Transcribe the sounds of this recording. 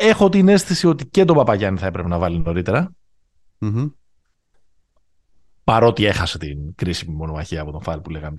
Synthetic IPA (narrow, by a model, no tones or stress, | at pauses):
e̞xo̞t̪ine̞st̪isio̞t̪ice̞t̪o̞pɐpɐʝɐniθɐe̞pɾe̞penɐvɐlino̞ɾit̪e̞ɾɐ | pɐɾo̞t̪ie̞xɐse̞t̪inkɾisimimo̞nomɐçiɐːpo̞t̪oɱfɐlipuleɣɐn